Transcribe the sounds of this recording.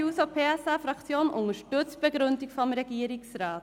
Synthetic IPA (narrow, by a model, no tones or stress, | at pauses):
uːsopʰeːɛsafɾɑkt͡sjoːnʊŋəʃtɵt͡sb̥ɛɡɾɵndɪkfɔmɾɛɡ̥iːəɾɪksɾaːt